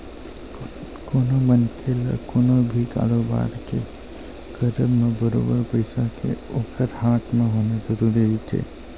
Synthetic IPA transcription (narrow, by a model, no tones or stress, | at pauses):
koːnomənkʰel̰koːnobʱika̰ːɾoba̰ːɾke | kəɾəbmẽbəɾo̰ːbəɾpəɪsakḛoːkʰəɾhaːt̪ʰmẽɦoːnezəɾuːɾiɦit̪ʰḛː